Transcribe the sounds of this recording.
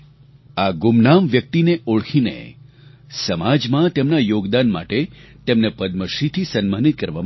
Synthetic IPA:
aɡumnamʋjək̚t̪ineʔoɭkʰinḛ | səmad͡ʒmãt̪emnajoɡd̪anma̰ʈet̪emnepəd̪̚məʃit̪ʰisənmanit̪̚kəɾʋam

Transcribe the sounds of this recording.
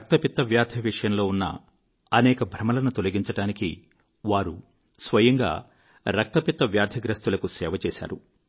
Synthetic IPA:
ɾɐk̚t̪ɐpit̪ːɐʋjaːd̪ʱjɐʋiʂɐjɐmlo̞ːunːɐ̰ | ɐnɛːkɐbʱɾɐmɐlɐnut̪o̞lɐɡiɲt͡ʃɐʈaːnikḭ | ʋaːɾṵ | sʋɐjɐŋɡa̰ː | ɾɐk̚t̪ɐpit̪ːɐʋjaːd̪ʱjɐɡɾɐst̪ulɐkusɛːʋɐt͡ʃɛːsa̰ːɾu

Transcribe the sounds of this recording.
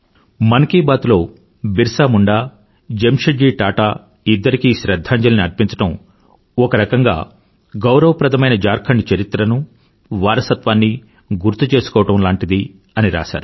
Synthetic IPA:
mɐnkiːbaːt̪ulo̞ː | biɾsaːmuɳɖaː | d͡ʒemʂɐd͡ʒiːʈaːʈaː | id̪ːɐɾikiʃɾɐd̪ʱːaːɲd͡ʒɐlɐniɐɾpiɲt͡ʃɐ̥ʈɐm | ɔkɐɾɐkɐŋɡa̰ː | ɡɐwɾɐʋɐpɾɐd̪ɐmɐjnɐd͡ʒaːɾkʰɐɳɖt͡ʃɐɾit̪ɾɐnu | ʋaːɾɐsɐt̪ʋaːnːi | ɡuɾt̪ːut͡ʃe̞ːsu̥kɔːʋɐʈɐmlaːɳʈid̪i | ɐniɾa̰ːʃa̰ːɾu

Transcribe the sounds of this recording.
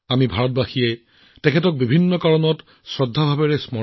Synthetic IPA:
amibʱaɹɔt̚baxiɛj | tɛkʰɛtɔk̚bibʱinːɔkaɹɔnɔt | sɹɔdʱːabʱabɛɹɛsmɔ

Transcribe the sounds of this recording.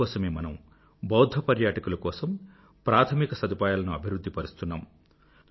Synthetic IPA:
ɔːsɐmeːmɐnɐm | bɐwd̪ʱɐpɐɾjaːʈɐkulɐkɔːsɐm | pɾaːt̪ʰɐmikɐsɐd̪ipaːjaːlɐnuɐbʱiɾud̪ːipɐɾust̪unːaːm

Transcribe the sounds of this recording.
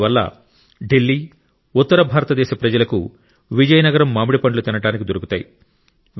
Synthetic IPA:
ʋɐlːɐ̰ | ɖilːiː | ut̪ːɐɾɐbʱaːɾɐt̪ɐd̪ɛːʃɐpɾɐd͡ʒɐlɐkṵ | ʋid͡ʒɐjɐnɐɡɐɾɐmːaːmuɽipɐɳɖlut̪inɐɽaːnikid̪oɾukut̪aːji | ʋ

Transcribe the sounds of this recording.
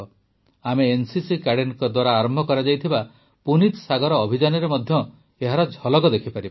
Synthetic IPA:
ameːnsisikaɽenkɔd̪waɾaːɾɔmbʱɔkɔɾad͡ʒajt̪ʰiba | punit̪saɡɔɾɔːbʱid͡ʒanɔɾemɔd̪ʱjɔ | eɦaɾɔd͡ʒʱɔlɔɡɔd̪ekʰipaɾibɔ

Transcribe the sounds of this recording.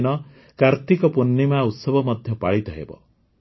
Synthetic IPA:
nɔ | kaɾt̪ikɔpunːimaut̪sɔbʱɔmɔd̪ʱjɔpaɭit̪ɔɦḛbɔ̰

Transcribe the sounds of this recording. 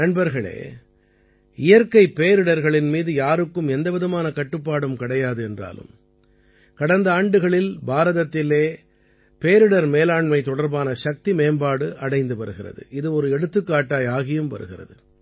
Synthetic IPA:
nɐɳbɐɾɣɐɭḛː | ɪjɐɾkɐɪpːeːɾɯɽɐɾɣɐɭɪnmiːðɯjaːɾɯkːɯmɛnd̪ɐʋɪðɐmaːnɐkɐʈːɯpːaːɽɯmkɪɽɐjaːðɯɛndra̰ːlɯ̰m | kɐɽɐnd̪ɐaːɳɖɯɣɐɭɪlbaːɾɐðɐt̪ːɪleː | peːɾɯɽɐɾmeːlaːɳmɐɪt̪ɔɽɐɾbaːnɐʂɐk̚t̪imeːmbaːɽɯʔɐɽɐɪnd̪ɯpɐɾɯɣɪrɐ̰ðɯ̰ʔɪðɯɔɾɯɛɽɯt̪ːɯkːaːʈːaːjaːɣɪjɯmʋɐ̰ɾɯ̰ɣɪrɐ̰ðɯ

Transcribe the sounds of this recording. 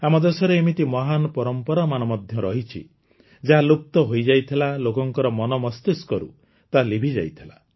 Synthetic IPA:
amɔd̪esɔɾeːmit̪imɔɦanɔpɔɾɔmpɔɾamanɔmɔd̪ʱjɔɾɔɦit͡ʃʰḭ | d͡ʒaɦalup̚t̪ɔɦojd͡ʒajt̪ʰilalokɔŋkɔɾɔmɔnɔmɔst̪iskɔɾṵ | t̪alibʱid͡ʒa̰jt̪ʰila̰

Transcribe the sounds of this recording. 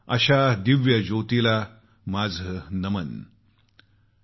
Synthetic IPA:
ə̰ɕad̪iʋjəd͡ʑot̪ila | mad͡zʱənəmən

